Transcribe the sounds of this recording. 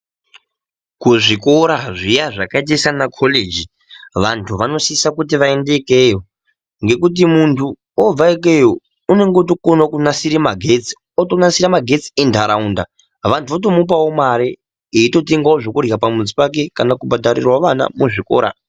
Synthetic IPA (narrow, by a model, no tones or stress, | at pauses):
kuʐiko̞ɾaʐijaʐakait̬aisanakʰoled͡ʒi | ʋantʰuʋano̞siisakut̬iʋae̞nde̞kejo | ŋɡe̞kut̬imuntʰu | ob͡vaik̬e̞joː | ne̞ŋɡot̬okonakunasiɾemaɡʱet͡si̥ | otonasiɾamaɡʱe̞t͡si̥endʱaɾaunda | ʋantʰuot̬o̞mup̬awo̞maɾe | eito̞teŋɡaoʐokurjapamud͡zipak̬e̞kanakubʱadʱaɾḭrwaʋana̰muʐiko̰ːɾa̰